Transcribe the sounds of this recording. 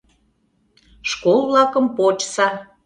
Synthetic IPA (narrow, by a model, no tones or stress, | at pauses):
ʃkolˠβlɑkəmpot͡ɕsɑ